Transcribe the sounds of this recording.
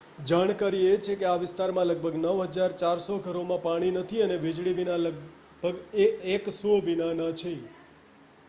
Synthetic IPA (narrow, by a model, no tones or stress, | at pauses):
d͡ʒaɽ̃kaɾiet͡ʃʰekeaʋɪst̪aɾmãləɡ̚bʱəɡnəʋɦəd͡ʒaɾt͡ʃaɾsoɡʱəɾomãpaɽ̃inət̪ʰiəneʋɪd͡ʒɭiʋinalə | b̥ʱəɡeeksoʋinanat͡ʃʰe